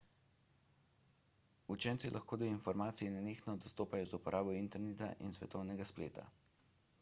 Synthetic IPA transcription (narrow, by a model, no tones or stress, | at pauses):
ut͡ʃɛnt̪silʔaxkoːd̪ɔinfɔɾmaːt̪sijinaneːxnɔd̪ɔst̪oːpajɔzupɔɾʔaːbɔint̪ɛɾneːt̪a̰ʔḭnsʋɛ̰t̪ɔwnɛɡasplḛːt̪a̰